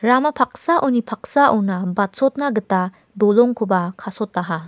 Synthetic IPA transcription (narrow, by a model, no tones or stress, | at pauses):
ɾamɐpʰak̚saʔownipʰak̚saʔɔwnɐbat̚sot̚naɡɯta | doloŋkʰubɐkʰasotːaɦa